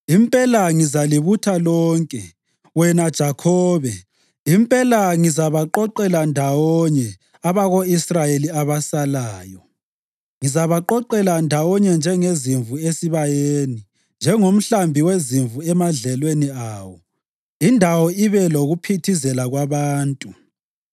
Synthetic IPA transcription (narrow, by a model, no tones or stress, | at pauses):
impʼɛlaŋizaliβutʰalɔːŋkʼɛ̰ | wɛnad̥ʒ̥ʱakʰɔːβɛ | impʼɛlaŋizaβaǃɔǃɛlandʱawɔɲɛ | aβaɣoisrajeliaβasalaːjɔ | ŋizaβaǃɔǃɛlandʱawɔɲɛnd͡ʒʱɛŋeziɱvuesiβajeːni | nd͡ʒʱɛŋom̩ɬambʱiweziɱvuɛmaɮɛlweniaːwɔ | indʱawɔiβɛloɣupʰitʰizɛlaɣwaβaːntʼu